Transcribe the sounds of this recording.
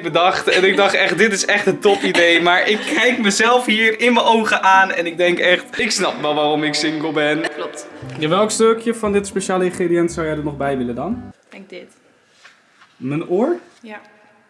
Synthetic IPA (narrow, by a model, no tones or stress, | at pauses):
bədɑχtɛnɪɡ̚dɑχtɛχt̚dɪtɪsɛχtəntɔfidejmaːɹʔɪkːɛjkməzɛlˠfɦiːrɪnməʔowχəʔaːnɛnɪɡ̚dɛŋkɛχtɪksnɑpʋɛlˠʋaːrɔmɪksɪŋɡəlˠbɛnklɔp̚tjaʋɛlˠkstøkjəfɑndɪtspeʃaːləɪ̃nχreːdijɛntsawjɛjdəɹnɔχbɛjʋɪləndɑn | ɛɡdɪt | mənoːɹ | ja